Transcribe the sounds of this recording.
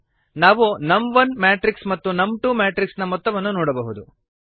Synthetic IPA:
naːʋunɐmʋɐnmaːʈɾiksmɐt̪ːunɐmʈumaːʈɾiksnɐmɔt̪ːɐʋɐnːunɔːɽɐbɐɦud̪u

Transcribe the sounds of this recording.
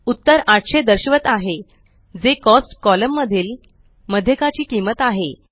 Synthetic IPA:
ut̪ːəɾaʈɕed̪əɾɕʋət̪aɦe | d͡zekɔsʈkɔləmːəd̪ʱiːl | məd̪ʱjəkat͡ɕiːkimət̪aɦe

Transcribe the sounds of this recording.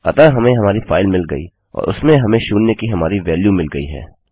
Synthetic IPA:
ɐ̰t̪aɦɐmẽɦɐmaːɾifa̰ːɪlmɪlɡɐḭː | ɔ̰ːɾʊ̰smẽɦɐmẽʃuːnːekiɦɐmaːɾiʋɛːljumɪlɡɐḭɦɛ̰ː

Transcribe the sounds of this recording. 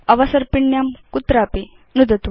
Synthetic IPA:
ɐʋɐsɐɾpiɳjamkut̪ɾaːpi | nud̪ɐt̪

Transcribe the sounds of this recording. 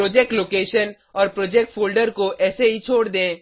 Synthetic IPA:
ɾoːd͡ʒek̚ʈloːkeːʃən | ɔːɾpɾoːd͡ʒeːk̚ʈfʰoːlɖəɾkoʔɛːseɦit͡ʃʰoːɽd̪ẽː

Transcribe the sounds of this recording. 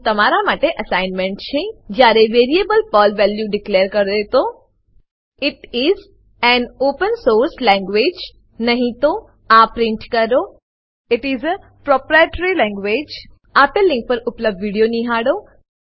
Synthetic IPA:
t̪ɐmaːɾamaːʈeʔɐsaɪnmẽɳʈt͡ʃʰed͡ʒjaːɾeʋeːɾiebəlpɔːlʋɛljuɖɪkleːəɾkɐɾd̪et̪o | ɪʈɪz | ɛ̃noːpə̃nsoːɾslɛ̃ŋɡʋeːd͡ʒ | nɐɦĩt̪o | apɾɪ̃ɳʈkɐɾo | ɪʈɪzə | pɾɔpɾajeʈəɾilɛ̃ŋɡʋed͡ʒ | apelːɪ̃ŋk̚pɐɾʊpləb̚ɖʋiɖijonĩɦaːɽo

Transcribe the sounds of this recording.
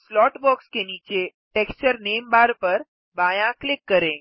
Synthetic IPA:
slɔːʈbɔːkskeniːt͡ʃe | ʈekst͡ʃəɾneːmbaːɾpəɾ | baːjãklɪkːəɾẽ

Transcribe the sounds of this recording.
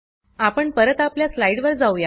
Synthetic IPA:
apəɳpəɾət̪apljaslaiɽʋəɾd͡zauja

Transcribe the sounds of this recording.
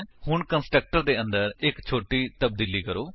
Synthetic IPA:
hʊɳkənsʈɾək̚ʈəɾd̪eːə̃nd̪əɾɪkt͡ʃʰoːʈiːt̪əbd̪iːliːkəɾoː

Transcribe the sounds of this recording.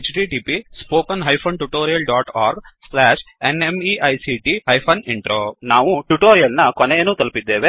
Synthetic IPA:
t͡ʃʈiːʈiːpispoːkɐnɦɐjpʰɐːnʈuʈoːɾijɐlɖaːʈaːɾɡslɛːʂenemiːʔɐjsiːʈiːɦɐjpʰɐniɳʈɾoːnaːʋuʈuʈoːɾijɐlnɐkoneːnuːt̪ɐlupid̪ːeːʋe

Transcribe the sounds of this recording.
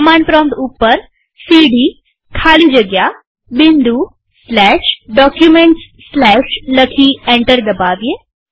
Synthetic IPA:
mãːɳɖpɾɔ̃ːmd̪upːəɾ | siːɽiː | kʰaːlid͡ʒəɡja | bɪ̃nd̪u | slɛːʃɖɔːkjumẽɳʈsːlɛːʃləkʰiːẽɳʈəɾd̪ɐbaːʋije

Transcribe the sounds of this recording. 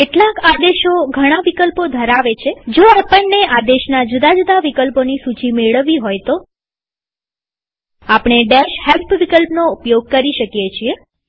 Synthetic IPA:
keʈlãkad̪eʃoɡʱəɽ̃aʋikəlpod̪ʱəɾaʋet͡ʃʰed͡ʒoapəɳːeʔad̪eʃnad͡ʒud̪ad͡ʒud̪aʋikəlponisut͡ʃimeɭəʋiɦojt̪o | apɽ̃eɖeʃhelpʋikəlpnoupjoɡ̚kəɾiʃəkjet͡ʃʰie

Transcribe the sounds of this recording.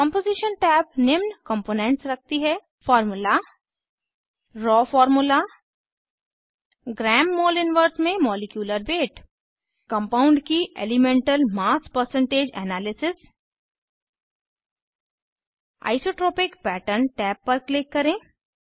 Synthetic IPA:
kə̃mpoːzɪʃənʈɛːp̚nɪʋnkə̃mpoːnẽɳʈsɾɐk̚ʰt̪iɦɛː | fɔːɾmʊla | ɾɔːfɔːɾmʊla | ɡɾɛːmːoːlɪnʋəɾsmẽmɔːlɪkjuːləɾbeːʈ | kɐ̃mpaːʊ̃ɳɖkiḛːlɪmẽɳʈəlmaːspəɾsə̃ɳʈeːd͡ʒɛ̰ːnaːlɪsɪs | a̰ːɪsoːʈɾɔːpɪkpɛːʈənʈɛːpːɐɾklɪkːɐɾẽː

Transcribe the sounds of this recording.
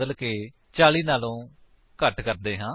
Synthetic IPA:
əlkeː | t͡ʃaːɭiːnaːlõː | kəʈkəɾd̪eːɦãː

